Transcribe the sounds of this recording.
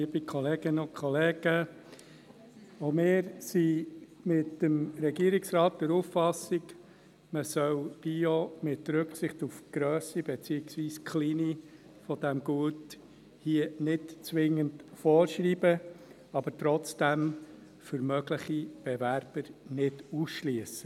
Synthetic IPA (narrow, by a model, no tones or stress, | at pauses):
iəbikʰχɔleːɡɪnokʰχɔleːɡ̥ə | omɪːɾsimɪtəmɾɛɡiəɾiksɾɑːt̚d̪̥əɾuffɑsiɡ | məsœwb̥iomɪtɾʏksɪχtufɡ̥ɾœːsibɛt͡siːɪksʋiːskχliːni | fɔd̥̪æmɡuət | hiənɪtt͡sʋɪŋəntfɔːɾʃɾiːbə | ɑb̥əɾtɾɔt͡sd̥æm | fɵɾmœɡləχib̥ɛvæɾb̥əɾnɪdusʃliəsə